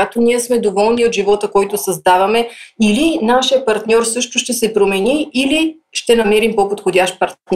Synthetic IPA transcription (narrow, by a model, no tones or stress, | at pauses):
at̪oniɛsmɛd̪ovɔlˠniot̪ʒivɔt̪əkɔjt̪osɐzd̪avɐmɛilinaʃijəpɐɾt̪nʲɔɾsɤʃt̪ʊʃt̪ɛsɛpɾomɛniːli | ʃt̪ɛnɐmɛɾimpopot̪xodʲaʃt̪̚pɐɾt̪nʲ